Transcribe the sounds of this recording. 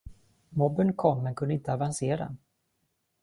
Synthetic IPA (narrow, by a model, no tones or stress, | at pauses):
mɔbənkʰɔmːɛnkʰɵnd̪əɪnt̪əavanseːɾa̰